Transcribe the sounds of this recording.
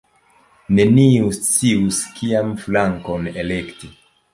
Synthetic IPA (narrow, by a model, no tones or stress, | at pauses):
ne̞niust͡siuskiamflaŋkonelekti